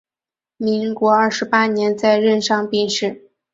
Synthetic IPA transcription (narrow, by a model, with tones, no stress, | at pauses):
mi˧˥ŋkwɔ˧˥ə˞˥˩ʂɻ̩˧˥pa˥njɛ˧˥nt͡sa˥˧ɪɻə˥˧nʂɑ˥˧ŋpi˥˧nʂɻ̩˥˩